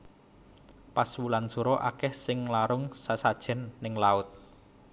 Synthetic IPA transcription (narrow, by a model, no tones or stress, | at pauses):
paswulansuɾɔʔakɛhsɪŋlaɾʊŋsasad̥ʒ̥ɛ̤nːɪŋlaʊt̪̚